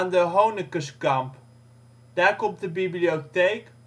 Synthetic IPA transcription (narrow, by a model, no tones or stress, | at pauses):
ndəɦownəkəskamp | d̥aːkɔmdəbiblioteːk